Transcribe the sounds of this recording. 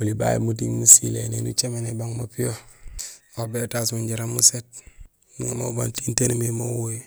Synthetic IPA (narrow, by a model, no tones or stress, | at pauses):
uliba̰jḭmutiŋmusilenenṵt͡ʃemenebaŋmapijo | obetasmuɲɟiɾamuset̚ | miŋama̰ba̰ntintenmimowoj